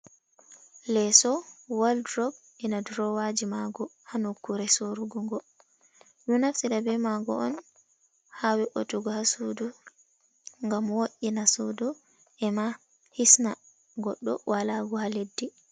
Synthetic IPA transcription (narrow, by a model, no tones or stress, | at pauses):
lɛsɔwaldɾɔɡ | ɛnadɾɔwad͡ʒimaɡɔhanukːuɾɛsoɾuɡuŋɡɔ | ɗunaftiɗabɛmaɡɔ̰ʔɔ̰n | hawɛʔotuɡɔhasudu | ŋɡamwoʔinasudu | ʔɛma | hisna | ɡɔɗːɔ̰walaɡɔhaledːi